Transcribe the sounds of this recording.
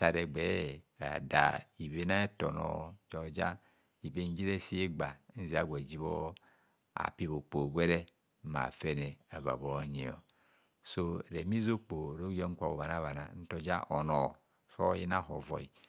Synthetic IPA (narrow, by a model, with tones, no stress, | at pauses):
sa˨ɾɛ˨ɡ͡bɛ˨˦a̰˨da̰˨i˨βe˦na˦e˦tɔ˨nɔ̰˨d͡ʒɔ˨d͡ʒa̰˦ | i˨be˦n˦d͡ʒi˦ɾe˦si˦e˦ɡ͡ba˨˦n̩˦zi˨a˦˨ɡʷɛ˨d͡ʒi˦βo˦ | a̰˨pi˦βo˨k͡po˨ɡʷɛ˦ɾɛ˦ | ma̰˨fɛ˦nɛ˨a˨va̰˨βo˨˦ɲi˨ɔ̰˨ | so˦˨ɾɛ˨mi˦zo˦k͡po˨ɾo˦ɔ˦ŋ̩˦kʷa˨wo˨βa˨na˦βa˨na̰˨˦n̩˦tɔ˨d͡ʒa̰˦ʔɔ˨nɔ˨ | sɔ˦ji˦na˦˨ɦɔ˨vɔ̰˨i˨